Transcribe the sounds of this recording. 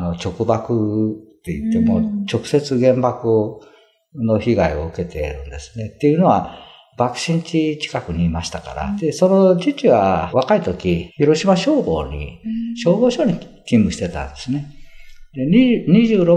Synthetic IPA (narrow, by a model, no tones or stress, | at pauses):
no̞t͡ɕo̞kɯ̟bakɯ̟t̪ːe̞ḭt̪ːe̞mo̞t͡ɕo̞kɯ̟̥se̞t͡sɨɡẽ̞mbakɯ | no̞çiɡaio̞̰ɯ̟ke̞t̪e̞ɾɯ̟̃nd̪e̞sɨ̥ne̞t̪ːe̞jɯno̞βa | bakɯ̟̥ɕĩɲt͡ɕit͡ɕi̥kakɯ̟ɲ̟iːmaɕi̥t̪aka̰ɾa̰d̪̥e̞so̞no̞t͡ɕit͡ɕiβaβakait̪o̞kʲiçiɾo̞ɕimaɕo̞ːbo̞̰ːɲḭɕo̞ːbo̞ːɕo̞ːɲ̟i | kʲĩmbɯ̟ɕi̥t̪e̞t̪ã̰nd̪e̞sɨne̞d̪e̞iɲiʑɯːɾo̞